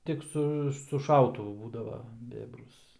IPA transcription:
ˈtʲɪk sʊ sʊ ˈʃɐʊtʊʋʊ ˈbuːdɐʋɐ ˈbʲeːbrʊs

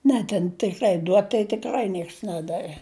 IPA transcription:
ˈnʲɛ tʲɛn tʲɪkˈrɐɪ ˈduɔt tɐɪ tʲɪkˈrɐɪ ˈnʲiɛks ˈnʲæːdɐʋʲɛ

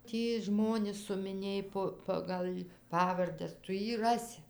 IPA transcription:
ˈtʲiː ˈʒmoːnʲɪs sʊmʲɪˈnʲeːj poː ˈpɑːɡɐlʲ ˈpɑːʋɐrʲdʲɛs ˈtʊ ˈjiː ˈrɑːsʲɪ

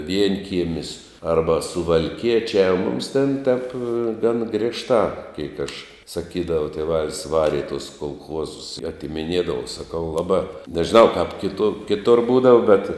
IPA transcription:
ˈʋʲiɛŋʲkʲiɛmʲɪs ˈɐrbɐ sʊʋɐlʲˈkʲiɛt͡ʃʲæː ʊ mʊms tʲɛn tʲɛp ɡɐn ˈɡrʲeːʃtɑː ˈkʲɛɪk ɐʃ sɐˈkʲiːdɐʋɐ tʲeːˈʋɑːlʲɪs ˈʋɑːrʲɪ ɪ tʊs koːlˠˈxuɔzʊs ɪ ɐtʲɪmʲɪˈnʲiɛdɐʋɐ sɐˈkɐʊ ˈlˠɑːbɑː nʲɛʒʲɪˈnɐʊ kɐp kʲɪˈtʊ kʲɪˈtʊr ˈbuːdɐʋɐ bʲɛt

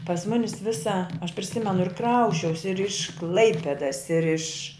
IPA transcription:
pɐs ˈmʊnʲɪs ˈʋʲɪsɐ ɐʃ pʲrʲɪˈsʲɪmʲɛnʊ ɪr ˈkrɐʊsʲt͡ʃʲɛʊsʲɪ ɪr ɪʃ ˈklˠɐɪpʲɛdɐs ɪr ɪʃ

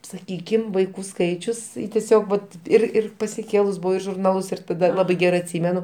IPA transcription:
sɐˈkʲiːkʲɪm ʋɐɪˈkuː ˈskɐɪt͡ʃʲʊs tʲɛˈsʲoːk ʋɐt ˈɪr ˈɪr pɐsʲɪˈkʲeːlˠʊs ˈbʊʋɐʊ ɪr ʒʊrˈnɑːlˠʊs ɪr tɐˈdɐ ˈlˠɑːbɐɪ ˈɡʲæːrɐɪ ɐtʲˈsʲiːmʲɛnʊ

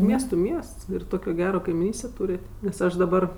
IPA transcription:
ˈmʲiɛstʊ ˈmʲiɛsts ɪr ˈtoːkʲoː ˈɡʲæːroː kɐɪmʲɪˈnʲiːsʲtʲeː ˈtuːrʲeːtʲ nʲɛs ˈɐʃ dɐˈbɐr

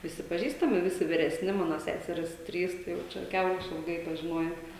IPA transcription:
ʋʲɪˈsʲɪ pɐˈʒʲiːstɐmʲɪ ˈʋʲɪsʲɪ ʋʲɪrʲɛˈsʲnʲɪ ˈmɑːnoː ˈsʲæːsʲɛrʲiːs ˈtʲrʲiːs tɐɪ jɛʊ ˈt͡ʃʲɛ ˈkʲɛʊrɐɪ ɪʃʲɪlˠˈɡɐɪ pɐʒʲɪˈnoːjɛ

